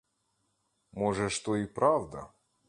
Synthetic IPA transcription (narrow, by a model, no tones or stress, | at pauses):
mɔʐɛʂt̪oipɾavd̪ɐ̰